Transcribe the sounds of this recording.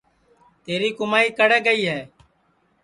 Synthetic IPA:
t̪eːɾiːkʊmaːiːkəɽeːɡəiːɦɛː

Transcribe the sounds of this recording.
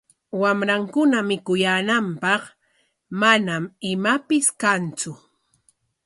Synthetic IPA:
wamɾaŋkʊnamɪkʊjaːnampɑq | manamɪmapɪskant͡sʊ

